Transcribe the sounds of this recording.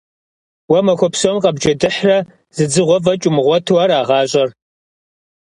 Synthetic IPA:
wɐmɐxʷɔpʰsomqɐbd͡ʒɐdɨħrɐ | z̥ɨd͡zɨʁʷɔvɐt͡ʃʼʊmɨʁʷɔtʰwɐɾaːʁɑːɕʼɐr

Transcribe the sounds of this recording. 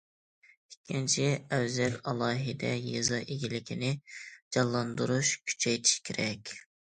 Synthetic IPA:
ikʲʰːint͡ʃʰiæwzɛɾɑlˠɑːɦɪd̪ɛ̰jɨzɑʔeɡʲilɪkʲʰinɪd͡ʒɑlˠːɑnd̪uɾuʃkʲʰy̥t͡ʃʰɛjt̪ʰi̥ʃkʲʰeɾɛkʲ

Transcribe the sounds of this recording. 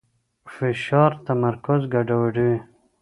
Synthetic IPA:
fɪʃɑːɾt̪amaɾkʊzɡaɖawaɖuwe

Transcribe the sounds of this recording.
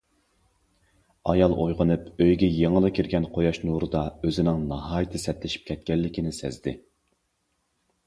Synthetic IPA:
ɑjɑlˠʔojʁənɨpøjɡʲɛjeŋəlˠɨkʲʰiɾɡʲɛnqʰojɑʃnuɾɨd̪ɑøzɪnɪŋnɑɦɑːjit̪ʰɨsɛt̪lɪʃi̥p̚kʲʰɛt̪̚kʲɛlːɪkʲinɪsɛ̰zd̪ɪ

